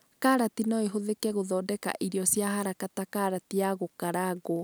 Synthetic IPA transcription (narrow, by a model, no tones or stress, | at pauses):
kaɾatinɔeɦoðekɛɣoðɔːdɛka̰ʔiɾiɔsjahaɾakatakaɾatiaɣokaɾaɡo